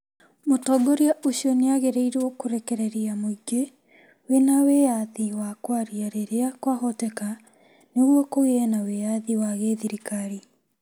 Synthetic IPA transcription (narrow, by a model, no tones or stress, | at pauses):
motɔɡɔɾiaʔoɕiɔneaɣeɾeiɾwɔkoɾekɛɾɛɾiamoiɡe | wenawejaðiwakwaɾiaɾeɾeakwaɣɔtɛka | neɣwɔkoiɛnawejaðiwaɣeðiɾikaɾi